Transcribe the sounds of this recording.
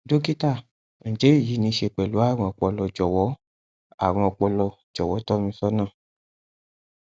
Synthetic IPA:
d͡ʒo˦ki˦tã˦˨ | d͡ʒe˨˦i˦˨ji˨˦nĩ˧˦ʃe˧k͡pɛ˨lu˨˦a˦˨ɾ̃ɔ̃˧ɔ˨k͡pɔ˧lɔ˧d͡ʒɔ˨wɔ˨˦ | a˦˨ɾ̃ɔ̃˧ɔ˧k͡pɔ˧lɔ˧ | d͡ʒɔ˨wɔ˨˦tɔ˦mĩ˧˦sɔ˦nãː˦˨

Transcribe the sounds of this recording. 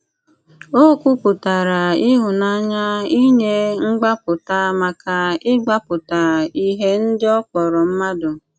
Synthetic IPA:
o˦kʷu˦pʊ˨ta˨ɾa˨ɪ˦ɦʊ˨na˦ɲa˦i˦ɲe˦ŋ͡m̩˦ɡ͡ba˦pʊ˨ta˦ma˨ka˨ɪ˦ɡ͡ba˦pʊ˨ta˨i˦ɦe˦n̩˦dɪ˦ɔ˦k͡pɔ˨ɾɔ˨m̩˦ma˦dʊ˨

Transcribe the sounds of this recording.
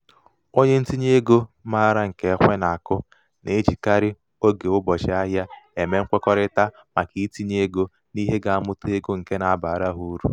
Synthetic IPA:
o˦ɲe˦n̩˦ti˦ɲe˦e˦ɡo˦ma˦ɾa˦ŋ̩˨ke˨˦kʷe˦na˨a˨kʊ˦ | ne˨˦d͡ʒi˨ka˦ɾɪ˦ | o˦ɡe˨ʊ˦bɔ˨t͡ʃɪ˨a˦ɦja˦e˨me˦ŋ̩˦kʷɔ˦kɔ˦ɾɪ˦ta˦ | ma˨ki˨˦ti˦ɲe˦e˦ɡo˦ | ni˦ɦe˦ɡa˨a˦mʊ˦te˦ɡo˦ŋ̩˨ke˦na˨a˨ba˨a˨ɾa˦ɦu˦ɾṵ˦

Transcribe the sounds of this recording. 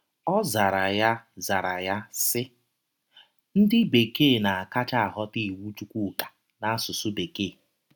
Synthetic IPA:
ɔ˦za˨ɾa˨ja˦za˨ɾa˨ja˦sɪ˦ | n̩˦dɪ˦be˨keː˦˨na˨a˨ka˦t͡ʃa˦a˨ɦɔ˦ti˦˨wu˦t͡ʃu˦kʷu˦˨kḁ˨ | na˨a˦sʊ˨sʊ˦be˨ke˦˨

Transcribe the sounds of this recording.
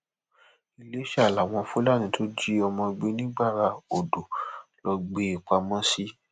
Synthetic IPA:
i˧˨le˨˦ʃa˦˨la˨w̃ɔ̃˧fu˦la˦˨nĩ˨˧˦tʰo˦d͡ʒi˦ɔ˧mɔ̃˧ɡ͡be˦nĩ˦ɡ͡ba˦˨ɾa˧o˨do˨lɔ˧ɡ͡be˧˦i˨k͡pa˧mɔ̃˦si˦

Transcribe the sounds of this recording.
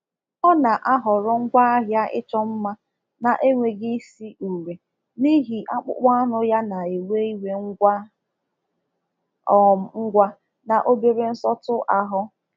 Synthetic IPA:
ɔ˦na˨ʔa˦ɦɔ˨ɾʊ˦ŋ̩˦ɡʷa˦a˦ɦja˦ʔɪ̰˦t͡ʃɔ˦m̩˦ma˦ | na˨ʔe˦ŋʷe˨ɡi˦si˦ʔu˨ɾe˨ | ni˦ɦi˨ʔa˦k͡pʊ̰˦k͡pʷa˦nʊ˦ja˦na˨e˨we˦i˦we˨ŋ̩˦ɡʷa˦˨ | ŋ̩˦ɡʷa˦ | na˨ʔo˦be˦ɾe˦n̩˦sɔ˦tʊ˦ʔa˦ɦʊ˦

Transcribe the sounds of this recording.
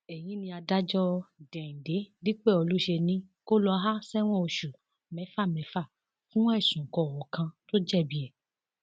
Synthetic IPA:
ɛ˨j̃ĩ˨˦nĩ˧a˧da˦d͡ʒɔ˦dɛ̃˨ĩ˨de˨˦di˦k͡pɛ˦˨o˧lu˦ʃe˧nĩ˨˦ko˦lɔ˧ɦa˦sɛ˦w̃ɔ̃˦˨o˧ʃu˨ | mɛ̃˨˦fa˦˨mɛ̃˨˦fa˦˨ | fũ˦w̃ɔ̃˦ɛ˦˨sũ˨kɔ˧˨wɔ˨kã˧to˦d͡ʒɛ˦˨bi˨˦ɛ˨

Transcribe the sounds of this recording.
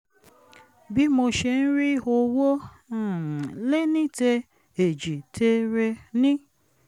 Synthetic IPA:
bi˦mo˧ʃe˧n̩˦ɾi˦o˧wo˦˨ | le˦nĩ˦te˧ | e˨d͡ʒi˨tʰe˧ɾe˧nĩ˦

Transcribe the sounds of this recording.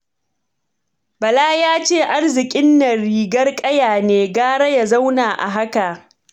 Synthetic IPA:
bɐ˨laː˦jaː˦t͡ʃeː˦˨ʔa˦rzɪ˨kʲʼɪ˦nːɐ˨ɽiː˨ɡɐ˦rkʼɐ˦jaː˨neː˨ɡaː˦ɽɐ˦ja˨za˦wnaː˨ʔa̰˨ɦa˦ka˨

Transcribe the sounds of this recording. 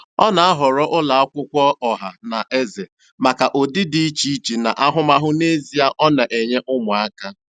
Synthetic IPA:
ɔ˦na˨a˦ɦɔ˨ɾɔ˦ʔʊ˦la˨a˦kʷʊ˦kʷɔ˦ʔɔ˨ɦa˨na˨ʔe˦ze˨ | ma˨ka˨ʔo˨dɪ˦di˦i˦t͡ʃi˦t͡ʃi˨na̰˨ʔa˦ɦʊ˦ma˦ɦʊ˦ne˦zi˨a˦ʔɔ˦na˨ʔe˨ɲe˦ʔʊ˦mʊ˨a˦ka˦

